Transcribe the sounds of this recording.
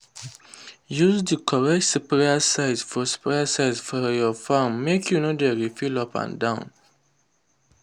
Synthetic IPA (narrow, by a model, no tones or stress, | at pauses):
juzdikʰɔɹɛk̚tsipɹasaɪzfɔsi̥pɹasaɪzfɔjɔfãmːekʰjunodeɹifilɔpã̰ndãʊ̃n